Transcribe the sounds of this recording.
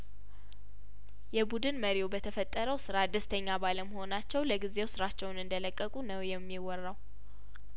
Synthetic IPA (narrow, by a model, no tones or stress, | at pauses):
jɛbud̪ɨnməɾiwbət̪ʰəfət̪ʼːəɾəwsɨɾad̪ɨst̪ʰəɲːabaləmho̞nat͡ʃːɛwləɡize̞wsɨɾat͡ʃːɛwnɨnd̪ələkʼːəkʼunəwjɛmːiwɔrːaw